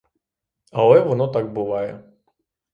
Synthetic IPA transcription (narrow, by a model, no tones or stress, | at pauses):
ɐlˠɛjvɔnɔt̪aɡ̚bɨvajɛ